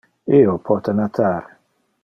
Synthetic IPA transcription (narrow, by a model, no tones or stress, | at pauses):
iopʰɔt̪anat̪ʰaːɾ